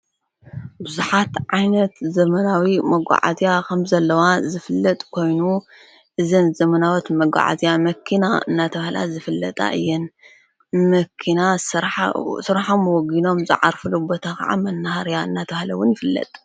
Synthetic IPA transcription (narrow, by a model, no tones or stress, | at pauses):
bɨzuħat̪ʕajnɐt̪zɐmɐnawimɐɡʷa̰ʕa̰zijakʰɐmzɐlːɐwazɨfɨlːɐt̪ʼkʰo̞jnu | ʔɨzɐnzɐmɐnawot̪mɐɡʷa̰ʕa̰zijamɐkʰːinaɨ̰nːat̪ʰɐβahla̰zɨfɨlːɐt̪ʼa̰ʔɨ̰jːɛn | mɐkʰinasɾsɨɾħomːɨwɔɡino̞mzɨ̰ʕaɾfɨlubot̪ʰakɐ̰ʕa̰mɐnːahaɾjaɨnːat̪ʰɐβahlɐwʊnjɪfɨlːɐ̰t̪ʼ